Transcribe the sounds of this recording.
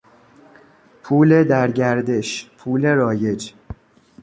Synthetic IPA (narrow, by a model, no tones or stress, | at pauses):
pʰuːle̞d̪æɾɟæɾd̪e̞ʃpʰuːle̞ɾɒːje̞d͡ʒ